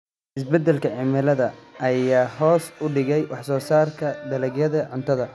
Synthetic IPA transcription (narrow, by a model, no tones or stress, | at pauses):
ʔɪsbɛd̪ːɛlkʰɐʕɪmɪlɐðɐɐjaːɦɔːsʊɖɪɣɛjwɑħsɔːsaːrkʰɐd̪ɐlɐɡjɐðɐʕʊnt̪ʰɐðɐ